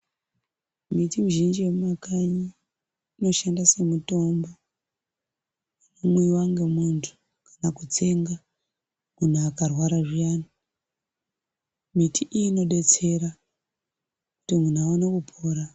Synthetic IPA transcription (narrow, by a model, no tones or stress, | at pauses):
mitimuʒind͡ʒiweumakaɲiː | no̞ʃandase̞muto̞mbo | anamuiwaŋɡemuntʰu̥ | kanakut͡se̞ŋɡa | mun̤uakarwaɾaʐijani | mitʰiʔiino̞ɗe̞t͡se̞ɾa | kutimun̤uaonekupʰoːɾa